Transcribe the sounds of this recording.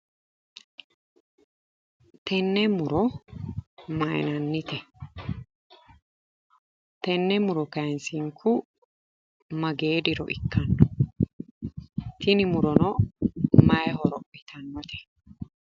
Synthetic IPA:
t̪ɛnːɛmʊɾɔ | mɐj̰nɐnːɪt̪ɛ | t̪ɛnːɛmʊɾɔkɐnsiŋkʰʊ | mɐɡe̞ːd̪ɪɾɔ̰ʔɪkʰːɐnːɔ | t̪ɪnɪmʊɾɔnɔ | mɐjɛɦɔɾɔʔɪt̪ʰɐnːɔt̪ɛ̥

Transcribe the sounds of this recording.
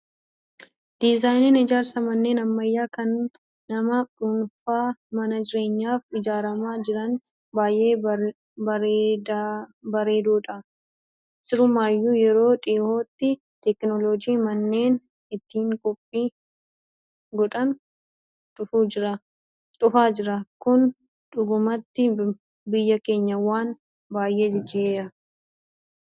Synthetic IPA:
d̪ɪzaːjnɪnɪd͡ʒaːɾsɐmɐnːe̞ːnɐmːɐjːaːkɐnː | ɐmɐᶑunfaːmɐnɐd͡ʒɪɾe̞ːɲːaːfɪd͡ʒaːɾɐmaːd͡ʒɪɾɐn | baːjʔe̞ː | b | bɐɾe̞ːd̪uːᶑɐ | sɪɾʊmaːjːuːjɛɾo̞ːᶑʼɪːhoːt̪ːɪ | t̪ɛknɔlɔd͡ʒiːmɐnːe̞ːn | ɪt̪ːiːŋkʼɔpʼːiː | ɡɔᶑɐn | t̪ʼʊfuːd͡ʒɪɾɐ | t̪ʼʊfaːd͡ʒɪɾɐkʊn | ᶑʊɡʊmɐt̪ːɪ | bɪjːɐke̞ːɲːɐwaːn | baːjʔeːd͡ʒɪd͡ʒɪeːɾɐ

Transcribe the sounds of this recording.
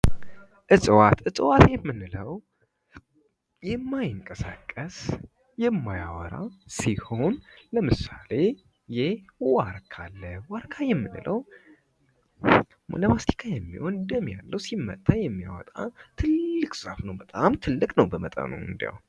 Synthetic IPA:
ʔɨsʼwat̪ʔɨsʼwat̪jɛmːɨnːɨləw | jɛmːajɨŋkʼəsa̰kʼːəs | jɛmːajawɔɾasiho̞nləmɨsale̞ | jɪhwaɾkʰalːəwaɾkʰajɛmːɨnɨləw | ləmast̪ʰi̥kʰajɛmːḭho̞nd̪əmja̰lːəwsimːə̰t̪ʼʰːajɛmːjawɔ̰t̪ʼa̰t̪ʰɨlːɨkʼsafnəwbət̪ʼamt̪ʰɨlːɨkʼnəwbəmət̪ʼə̰no̰ɨ̰nd̪ija̰w

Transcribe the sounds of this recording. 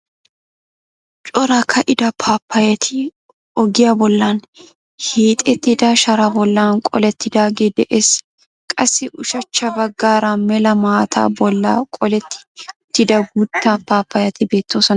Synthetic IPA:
t͡ʃʼɔɾɐkʰɐʔɪd̪ɐpʰaːpːɐjɐt̪ʰɪ | ɔɡɪjaːbɔlːan | hiːt̪ʼɛt̪ːɪd̪aːʃɐɾabɔlːaːnkʼɔ̰lɛt̪ːɪd̪aːɡeːd̪ɛʔeːs | kʼɐsːɪʔʊʃɐt͡ʃːɐbɐɡːaːɾamɛlɐmaːt̪ʰa̰ːbɔlːa̰ːkʼɔlɛt̪ːɪ̥t̪ːɪd̪ɐɡʊt̪ːaːnpaːpːɐjɐt̪ɪbe̞ːt̪ːoːsɔnɐ

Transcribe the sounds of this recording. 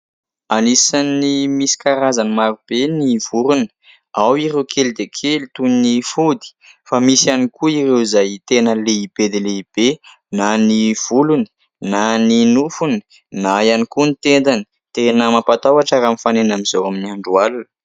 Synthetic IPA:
anisanimisi̥kaɾazanimaɾub̥eniv̥uɾuni̥ | awiɾewkʰeld̪ekʰelit̪uninifud̪i̥ | famisanikuirewizajit̪enəleib̥ed̪eleib̥e | naniv̥uluni̥ | naninufuni̥ | najanikunit̪end̪ani̥ | t̪enəmapat̪awaʈ͡ʂaɾamifanenamizowaminiaɳɖ͡ʐualun̥

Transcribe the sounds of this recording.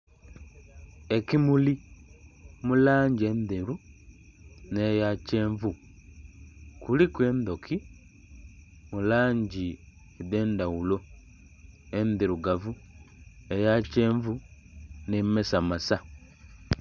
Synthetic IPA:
e̞kimuli | mulaːɲɟie̞ndeɾu | nejace̞ːɱvu | kulikwe̞ːnd̪o̞kʰi | mulaːɲɟi | eðeːndawulo̞ | endeɾuɡavu | ejaceːɱvu | nemesamasa

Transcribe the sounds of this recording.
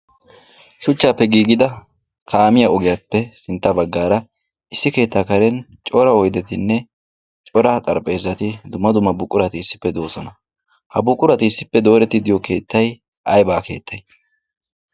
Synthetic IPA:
ʃʊt͡ʃːaːpːɛɡiːɡɪd̪ɐ | kʰaːmɪjaɔɡɪjapːɛsɪnt̪ːɐbɐɡːaːɾɐ | ɪsːɪke̞ːt̪ːaːkɐɾɛn | t͡ʃʼɔɾɐɔjd̪ɛt̪ɪnːɛ | t͡ʃʼɔɾɐt̪ʼɐɾpʼe̞ːzːɐt̪ɪd̪ʊmːɐd̪ʊmːɐbʊkʼːʊɾɐt̪ɪɪsːɪ̥pːɛd̪o̞ːsɔnɐ | hɐbʊkʼːʊɾɐt̪ɪɪsːɪpːɛd̪o̞ːɾɛt̪ːɪd̪ɪjɔke̞ːt̪ːɐj | ʔɐjbaːke̞̰ːt̪ʰːɐj

